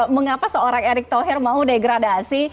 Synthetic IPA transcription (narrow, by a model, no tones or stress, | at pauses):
məŋapasəoɾaŋeɾɪk̚t̪oɦɪrmaudeɡɾadasi